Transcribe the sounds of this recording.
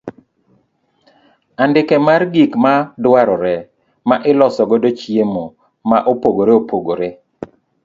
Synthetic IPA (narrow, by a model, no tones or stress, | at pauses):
andɪkɛmarɡikmadwaɾɔɾɛ | maʔɪlɔsɔɡodot͡ʃiemo | maʔopoɡoɾeopoɡoɾe